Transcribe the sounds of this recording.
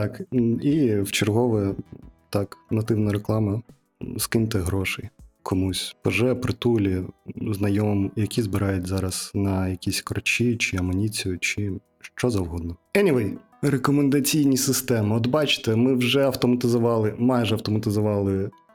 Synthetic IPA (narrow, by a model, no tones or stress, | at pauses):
t̪ɑkiwt͡ʃɪrɦɔʋɛt̪ɑknɐt̪ɪwnɐɾeklˠɑmɐ | skɪnt̪ɛɦɾɔʃɛjkʰɔmusʲpɔʒɛpɾɪt̪ulʲiznɐjɔmɔmjɐkʲizbɨɾɑjʊtʲzɑɾɐsnɐjɐkʲisʲkɾɔt͡ʃit͡ʃɪɐmɔnʲit͡sʲijʊt͡ʃɪ | ʃt͡ʃɔzɐwɦɔd̪̚nɔɛnʲiʋɛj | rekɔmend̪ɐt͡sʲijnʲisɪst̪ɛmɪɔd̪bɑt͡ʃɪ̥t̪ɛmɪwʒɛɐwt̪ɔmɐt̪ɪzʊʋɑlˠɪmɑjʒɛɐwt̪ɔmɐt̪ɪzʊʋɑlˠɪ